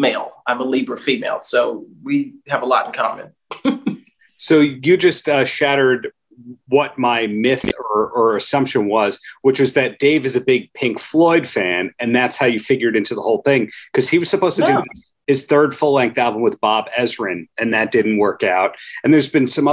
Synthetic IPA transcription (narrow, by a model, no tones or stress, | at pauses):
meɪlˠãɪ̃məlibə˞fimeɪlˠsoʊwiɨvəlɔ̰ɾn̩kʰɑ̰mɨ̰̃n | soʊjɨd͡ʒʌstʌʃæɾə˞d̚ | wʌt̚maɪmɪθə˞ə˞ɨsʌ̃mpʃɨ̃nwʌz̥wɨt͡ʃwʌzðɨt̚d̥eɪvɨzɨbɪɡ̚pʰɪ̃ŋkflɔɪd̥fæ̃nɨ̃nðætshaʊjɨfɪɡjə˞ɾɪ̃ntʉðəhoʊlˠθɪ̃ŋkʰʌz̥iwʌz̥sɨpoʊz̥stɨdɨ | ɨz̥θɜ˞d̥fʊlæ̃ŋk̚θælˠbə̃mwəðbɑbɛzɹɨ̃nɨ̃nðɨt̚d̥ɪdⁿn̩ʔwɜ˞kaʊt̚ɨ̃nðə˞zbɨ̃nsʌ̃mʌ